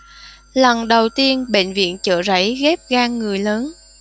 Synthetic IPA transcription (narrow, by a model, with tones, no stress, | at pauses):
lə˨˩nɗə˨˩wt̪i˧ənɓḛ˧˨nvḭ˧˨ənt͡ɕə̰ː˧˨za̰˧˥jɣɛ˦˥p̚ɣaː˧ŋːɨ˨˩əjləː˨˦n